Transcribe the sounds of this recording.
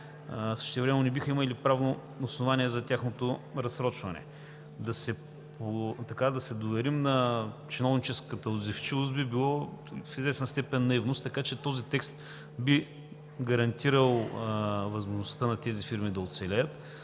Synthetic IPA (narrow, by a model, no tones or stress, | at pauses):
sɤ̥ʃt̪ɛvɾɛmɛnonɛbixəiməlipɾavno | osnovaniɛzɐt̪ʲaxnot̪oɾɐsɾɔt͡ʃvɐnɛ̰ | d̪ɐsɛ | pot̪ɐkad̪ɐsɛd̪ovɛɾimnɐt͡ʃinɔvnit͡ʃɛskət̪əod̪zift͡ʃivˠʊst̪bibilˠɔfizvɛsnst̪ɛpɛnːɐivnʊst̪ːɐkat͡ʃɛt̪ɔzit̪ɛkst̪ | bi | ɡɐɾɐnt̪iɾəlˠ | vɐzmoʒnʊst̪ənɐt̪ɛzifiɾmid̪ɐot̪sɛlʲɛjət̪